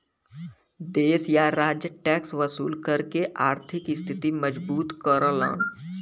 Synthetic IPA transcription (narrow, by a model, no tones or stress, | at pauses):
d̪eːsjaɾaːd͡ʒjəʈɛːksʋəsṵːlkɐɾkeʔaːɾt̪ʰɪkɪst̪ʰɪt̪imɐd͡ʒbuːt̪kəɾoːla̰ːn